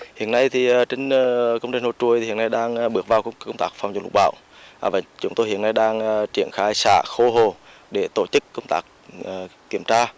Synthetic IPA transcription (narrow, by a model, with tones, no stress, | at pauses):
hḭ˧˨ənːa˧jt̪ʰi˨˩˨t͡ɕe˧nː˧kə˧wŋ͡mt͡ɕi˧˩nho˨˩t͡ɕu˨˩ət̪i˨ḭ˧˨əna˧jɗaː˧ŋɓɨ˨˥ək̚vaː˨˩wə˧wŋ͡mt̪aː˦˥k̚faː˧˩wŋ͡mzlʊ̰˧˥˩ɓa̰ː˧˨w | vaː˨˩t͡ɕʊ˨˦ŋ͡mt̪o˧jhḭ˧˨ənːa˧jɗaː˧ŋ˧t͡ɕi˧˩ənxaː˧jsa̰ː˧˩˨xo˧ɦo˨˩ | ɗe˧˩t̪o˧˩t͡ɕɨ˦˥kːə˧wŋ͡mt̪aː˦˥k̚ː | i˧˩əmt͡ɕaː˧